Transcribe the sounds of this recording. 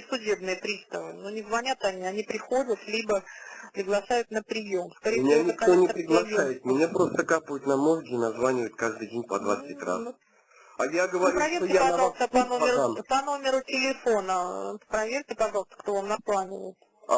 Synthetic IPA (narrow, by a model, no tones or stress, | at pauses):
sʊdʲe̞bnɨjəpɾʲist̪əvɨnunʲɪzvɐnʲat̪ɐnʲiɐnʲipɾʲɪxo̞dʲət̪lʲibəpɾʲɪɡlˠɐʂajʊt̪nəpɾʲɪjo̞mskɐɾʲejmɪnʲkɐonʲɪpɾʲɪɡlˠɐʂajɪt̪̚mʲɪnʲapɾo̞st̪əkapəvʊt̪ʲnɐmo̞zɡʲɪnɐzvanʲɪvəjɪt̪̚kaʐd̪ɨjdʲenʲpɐd̪vat̪sɨtʲra̰s | ajaɡəvɐɾʲpɾɐvʲeɾtɪjapɐʒɑlˠst̪əpɐnomʲɪɾʊpɐno̞mʲɪɾʊtʲɪlʲɪfo̞nəpɾɐvʲerʲtʲɪpɐʐɑlˠəst̪əkt̪o̞vamnɐplˠanʲɪvə̰jɪt̪